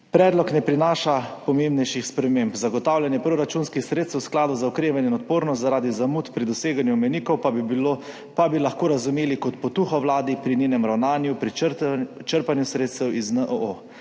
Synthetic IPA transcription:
pɾɛːd̪lɔknɛpɾinaːʃapɔmembnɛjʃixspɾɛmembzaɡɔt̪aːwljanjɛpɾoɾat͡ʃunskixsɾeːt̪st̪wsklaːd̪ɔwzaɔkɾeːʋanɛinɔt̪̚poːɾnɔst̪zaɾaːd̪izamut̪pɾid̪ɔseːɡanjuɔmɛnikɔw | pabilaxkoːɾazumeːlikɔt̪pɔt̪uxɔwlaːd̪ipɾinʲenɛmɾawnaːnjupɾi | t͡ʃəɾpanjusɾeːt̪st̪ɛwiznəʔəʔo

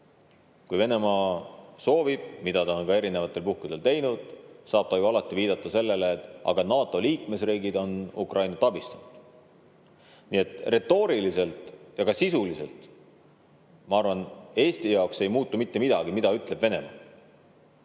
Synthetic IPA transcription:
kujve̞ne̞mɑːso̞ːvib̥̚mid̪̥ɑt̪ɑo̞nkɑe̞ɾine̞vɑt̪ːˑe̞lpuhkud̪̥e̞lt̪e̞jnud̪̥sɑːb̥̚t̪ɑjuɑlɑt̪ːˑiviːd̪̥ɑt̪ˑːɑse̞lːe̞leːt̪ːˑɑ̰ɡ̥ɑnɑːt̪ːˑo̞liːkme̞sriːɡid̪̥o̞nṵkrʔɑjnɑt̪ɑbist̪ɑnud̪̥ | niːe̞t̪re̞t̪ːˑo̞ːɾilise̞lt̪ˑjɑɡɑsisulise̞lt̪ˑ | mɑɑrvɑne̞ːsʲt̪ijɑokse̞jmuːt̪ːumit̪ːe̞mid̪ɑɡimid̪̥ɑyt̪ːˑle̞bve̞ne̞mɑ̰ː

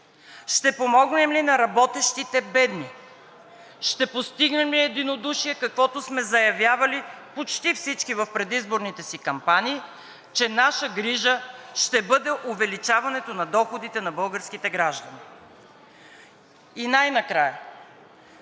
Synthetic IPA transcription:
ʃt̪ɛpomɔɡnɛmlinɐɾɐbɔt̪ɛʃt̪it̪ɛbɛd̪ni | ʃt̪ɛpost̪iɡnɛmliɛd̪inod̪uʃiɛkɐkvɔt̪osmɛzɐjɐvʲjavɐlipot͡ʃt̪ifsit͡ʃkivɐfpɾɛd̪izboɾnit̪ɛsikɐmpanʲiː | t͡ʃɛnaʃəɡɾiʒəʃt̪ɛbɤd̪ɛʔʊvɛlit͡ʃavɐnɛt̪onɐd̪ɔxod̪it̪ɛnɐbɤlˠɡəɾskit̪ɛɡɾaʒd̪ɐni | inajnɐkɾajə

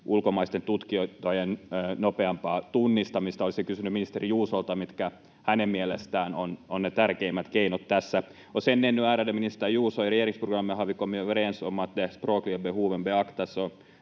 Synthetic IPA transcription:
ʔulkomɑist̪ent̪ut̪kioit̪ːojenːnopeɑmpɑːt̪unːist̪ɑmist̪ɑolisekysynyminist̪erijuːsolt̪ɑmit̪kæ | hænemmielest̪æːnononnet̪ærkeimːæt̪keinot̪t̪æsːæ | osenːenːyæːɾædeminist̪æjuːsojrejeriŋksproɡrɑmːihɑʋikomiøʋerensomːɑt̪d̪esproːkliebehuːʋembeɑkt̪ɑso

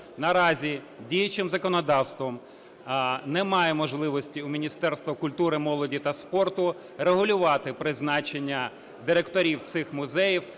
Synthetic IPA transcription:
nɐɾɑzʲi | dʲijɐt͡ʃɪmzɐkɔnɔd̪ɑwst̪ʋɔm | nɛmɑjɛmɔʒlˠɪʋɔsʲtʲiʊmʲinʲist̪ɛrst̪ʋɐkʊlʲt̪uɾɪmɔlˠɔdʲit̪ɐspɔrt̪ʊ | reɦʊlʲʊʋɑt̪ɪpɾɪznɑt͡ʃenʲːɐ | d̪ɪɾekt̪ɔɾʲiwt̪sɪxmʊzɛjiw

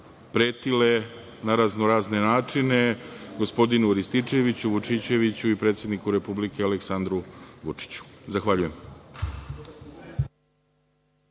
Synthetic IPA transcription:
pɾe̞ːt̪ile̞ | naɾaznoɾaːzne̞naːt͡ʂine̞ɡo̞spo̞d̪inuɾist̪it͡ʂe̞ʋit͡ɕuʋut͡ʂit͡ɕe̞ʋit͡ɕuipɾe̞ːt̪sjed̪nikuɾe̞publike̞aleksand̪ɾuʋut͡ʂi̥t͡ɕu̥zaxʋaʎuje̞m

